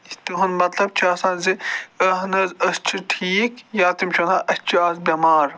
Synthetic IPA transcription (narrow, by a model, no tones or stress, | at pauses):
it̪iɦunmɐt̪lɐb̚t͡ʃʰiɐːsãːnziɐɦnɐːzɐst͡ʃʰiʈʰiːkjaːt̪imt͡ʃʰunaːʔɐst͡ʃʰiaːzbʲɐmaːɾ